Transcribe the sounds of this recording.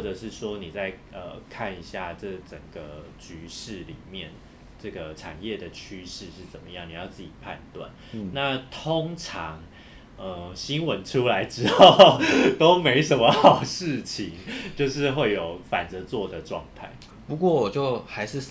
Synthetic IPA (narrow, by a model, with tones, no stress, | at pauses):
wʈ͡ʂə˨˩ʂɻ̩˥˩ʂwɔ˥ni˨˩t͡sa˥˧ɪə̰˩kʰa˥˩ni˧˦ɕja˥˩ʈ͡ʂɤ˥˩ʈ͡ʂə˨˩ŋɡ̥ə˩t͡ɕy˧˥ʂɻ̩˥˩li˨˩mjɛ˥˨n | ʈ͡ʂɤ˥˩ɡə˩ʈ͡ʂʰa̰˨˩njɛ˥˩d̪ə˩t͡ɕʰy˥ʂɻ̩˥˧ʂɻ̩˥˩t͡sə˨˩nmə˩˦jɑ˥˩ŋni˨˩jɑ˥˧ʊt͡s̩˥˩t͡ɕi˨˩pʰa̰˥˧nt̪wa̰˥˩n | na˥˩t̪ʰo˦˥ŋʈ͡ʂʰɑ˧˦ŋ | ə˩ɕi˥nwə˧˦nʈ͡ʂʰu˥la˧˦˥ɪʈ͡ʂɻ̩˥xo˥˩ʊt̪o˥ʊme˧˥ɪʂ̬ə˧˥nmə˧xɑ˨˩ʊʂɻ̩˥˩t͡ɕʰi˧˦ŋt͡ɕjo˥˧ʊʂ̬ɻ̩˥˧xwe˥˩ɪjo˨˩ʊfa˨˩nt͡sə˧˥t͡swɔ˥˩d̪ə˩ʈ͡ʂwɑ̰˥˧ŋt̪ʰa̰˥˩ɪ | pu˧˥kwɔ˥˩wɔ˨˩t͡ɕjo˥˩ʊxa˧˥ɪʂɻ̩˥˩s